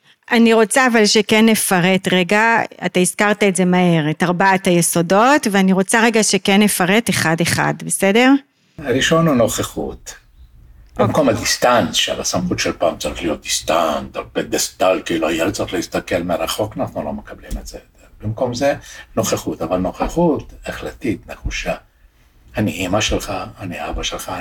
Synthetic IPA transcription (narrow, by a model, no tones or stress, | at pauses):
ʔaniʁo̞t͡saːvalʃekenːe̞faʁetʁeɡaataizkaʁtaetze̞mahe̞ʁetaʁbaathajeso̞do̞tveaniʁo̞t͡saʁe̞ɡaʃe̞kenːefaʁete̞χadeχa̰dbese̞de̞ʁ | aɾiʃo̞nhuno̞χeχṵt̪ | b̥imko̞mad̪ist̪ansʃḛlasamχut̪ʃelpaːmt͡saʁiχlijo̞t̪̚d̪̥ist̪ant̪alpeɡest̪alkiluajelt͡saʁiχleist̪akelmeaɾaχo̞kanaχnulo̞mekablimetz̥ejot̪eʁb̥imko̞mzeno̞χeχut̪avalno̞χeχutaχlat̪itneχuʃa | haniimaʃelχaaniabaʃelχa